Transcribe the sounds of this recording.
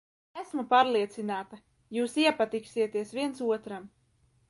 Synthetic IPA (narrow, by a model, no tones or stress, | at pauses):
æsmupaːɾlˠiɛt̪sinaːt̪a | juːsiɛpat̪iksiɛt̪iɛsviɛnsuɔt̪ɾam